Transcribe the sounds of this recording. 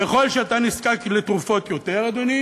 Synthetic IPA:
eχo̞lʃeat̪aniskaklet̪ʁufo̞t̪jo̞t̪eʁad̪oni

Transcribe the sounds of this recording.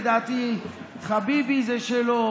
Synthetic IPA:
d̪aːt̪i | χabibizeʃelo

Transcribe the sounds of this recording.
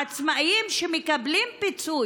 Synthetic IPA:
at͡smaʔimʃemekablimpit͡su

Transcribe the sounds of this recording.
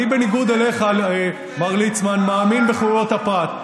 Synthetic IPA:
ibe̞niɡud̪eleχal | maʁlit͡smanmaːminbeχuɾot̪apat

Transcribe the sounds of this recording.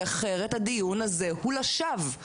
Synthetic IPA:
aχeʁethad̪ijunazehulaʃav

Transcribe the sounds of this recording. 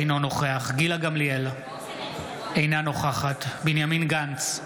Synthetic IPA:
jno̞no̞χeaχɡilaɡamlijela | ejnano̞χaχat̪binjaminɡant͡s

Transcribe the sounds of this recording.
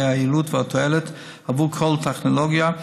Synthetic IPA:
ailutvɪatʰɔɛlət | havukʰɔlˠtʰɛχnolɔɡja

